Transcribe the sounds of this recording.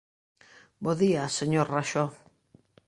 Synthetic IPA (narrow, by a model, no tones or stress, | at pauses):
boðiaseɲoɾraʃo